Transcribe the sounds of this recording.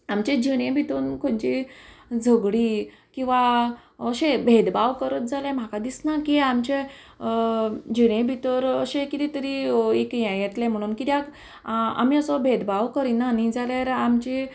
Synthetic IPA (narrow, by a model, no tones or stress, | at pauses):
amt͡ɕed͡ʑiɽ̃ẽbʱit̪onkʰont͡ɕid͡zʱəɡɽiː | kĩw̃ʋaəɕẽbʱed̪baʋkəɾət̪̚d͡zʱalẽm̤akad̪isnakiamt͡ɕe | d͡ʑiɽ̃ẽbʱit̪əɾəɕẽkit̪it̪əɾiekjɛ̃jɛt̪lem̤əɽ̃uːnkit̪jak | a̰miəsɔbʱed̪baʋkəɾinːanid͡zaljaɾamt͡ɕi